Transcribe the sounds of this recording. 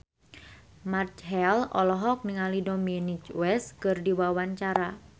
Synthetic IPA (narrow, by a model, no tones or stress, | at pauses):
mart͡ʃɦɛlɔ̰lɔɦɔk̚niŋalidɔminit͡ʃwɛskɨrdiwawaɲt͡ʃaɾa